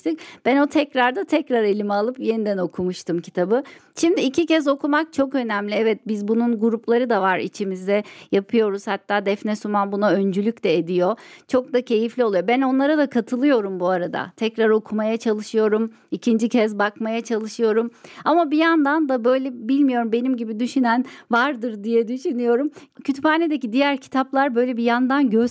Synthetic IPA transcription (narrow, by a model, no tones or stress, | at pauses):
t̪ɯk̚b̥æno̞t̪ʰɛcɾaɾd̪at̪ʰɛcɾaɾe̞lʲimialˠɯpje̞nid̪æno̞kʰumuʃt̪ʰɯmcʰi̥t̪ʰabɯʃimd̪iːcʰicɛzo̞kumak̚t͡ʃʰo̞kø̞næmlʲiɛvɛt̪̚bizbununɡuɾuplˠaɾɯd̪avaɾḭt͡ʃʰimizd̪ɛjapʰɯjo̞ɾuz̥hat̪ʰːaːd̪ɛfnɛsumanbunaø̞nd͡ʒylʲyct̪ɛed̪ijo̞t͡ʃʰo̞k̚d̪acʰe̞jiflʲio̞lˠɯjo̞bæno̞nlˠaɾad̪akʰat̪ʰɯlˠɯjo̞ɾumbuaɾad̪a̰t̪ʰɛcɾaɾo̞kʰumajat͡ʃʰalˠɯʃɯjo̞ɾum | icʰind͡ʒicʰɛzbakmajat͡ʃʰalˠɯʃɯjo̞ɾumamabijand̪and̪abø̞jlʲɛbilʲmijo̞ɾumbe̞nimɟibid̪yʃynænvaɾd̪ɯɾd̪ijɛd̪yʃynyjo̞ɾumcʰyt̪paːned̪ecid̪ijæɾcʰi̥t̪ʰaplˠaɾbø̞jlʲɛbijand̪anɟø